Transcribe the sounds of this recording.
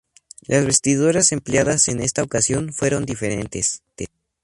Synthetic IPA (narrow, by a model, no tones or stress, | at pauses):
lazβe̞st̪iðuɾase̞mpljaðase̞ne̞st̪aokasjo̞nfwe̞ɾo̞nd̪ifeɾe̞̰nt̪e̞s